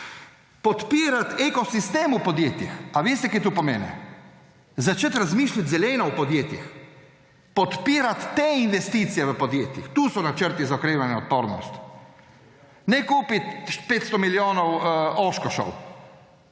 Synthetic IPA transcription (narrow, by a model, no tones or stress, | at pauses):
pɔt̪piːɾat̪ɛkɔsist̪eːmupɔd̪jeːt̪jixaʋeːst̪ɛkat̪uːpɔmeːnɛ̰ | zat͡ʃət̪ɾazmiːʃlʲat̪zɛlɛːnɔwpɔd̪jeːt̪jḭx | pɔt̪piːɾat̪ːeinʋɛst̪iːt̪sijɛʋəpɔd̪jeːt̪jḭxt̪uːsɔnat͡ʃəɾt̪izaɔkɾeːʋanjɛɔt̪̚poːɾnɔ̰st̪ | nɛkuːpit̪peːt̪st̪ɔmiljoːnɔwoːʃkɔʃɔ̰w